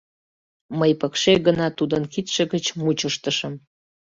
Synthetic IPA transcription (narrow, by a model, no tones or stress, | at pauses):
məjpəkʃeɣənɑt̪ud̪ənkit̪ʃeɣət͡ɕmut͡ɕəʃt̪əʃəm